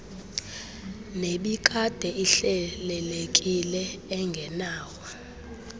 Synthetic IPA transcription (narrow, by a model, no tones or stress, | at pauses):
neɓikʼad̥ʱɛiɬɛlɛlekʼilɛːŋɡʱɛnaːwɔ